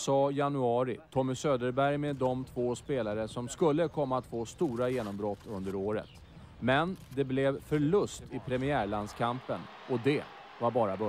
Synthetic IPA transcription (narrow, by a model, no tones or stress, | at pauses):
sɑːjanɵɑːɾɪt̪ʰɔmːɪsøːd̪əɾbæɾjmɛd̪ɔmt̪ʰvoːspeːlaɾəsɔmskɵlːəkʰɔmːaːt̪foːst̪uːɾajeːnɔmbɾɔt̪ːɵnd̪əɾoːɾə̰t̪ | mɛnd̪ɛblɛvfœɭɵst̪ɪpʰɾɛmɪæːɭand̪skʰampən | ɔd̪ɛ | vaɾbɑːɾabœ